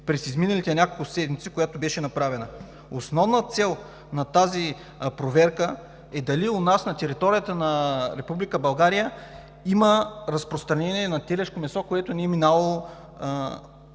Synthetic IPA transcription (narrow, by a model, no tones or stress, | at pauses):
pɾɛsizminɐlit̪ɛnʲakolˠkʊssɛd̪mit̪sikojat̪obɛʃɛnɐpɾavɛnə | osnɔvnət̪sɛlˠ | nɐt̪azi | pɾovɛɾkə | ɛd̪ɐliʊnasnɐt̪ɛɾit̪ɔɾijət̪ənɐɾɛpublikəbɐlˠɡaɾijə | iməɾɐspɾost̪ɾɐnɛniɛnɐt̪ɛlɛʃkomɛsɔkoɛt̪ʊniɛminavɐlˠo